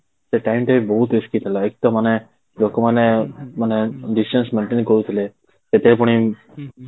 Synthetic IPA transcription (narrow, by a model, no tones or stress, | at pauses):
seʈajmʈebibɔɦut̪ɾiskit̪ʰilaek̚t̪ɔmane | lokomanemaneɖisʈensmẽɳʈenkɔɾut̪ʰile | set̪ʰepɔɽ̃ĩ